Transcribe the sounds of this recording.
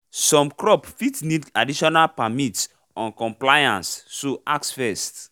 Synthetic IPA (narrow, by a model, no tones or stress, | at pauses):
sɔ̃mkɹɔpfitnidadiʃɔnalpamits | ɔ̃nkɔ̃mplajã̰nsːoʔaksfɛst